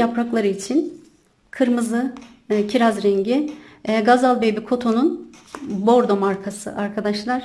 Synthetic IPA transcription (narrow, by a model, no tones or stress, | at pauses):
japʰɾaklˠaɾɯit͡ʃʰin | kʰɯɾmɯzɯ | cʰiɾazɾɛɲɟiɡazalˠbejbikʰo̞t̪ʰo̞nunbo̞ɾd̪o̞maɾkʰasɯ̰ʔaɾkʰad̪aʃlˠaɾ̥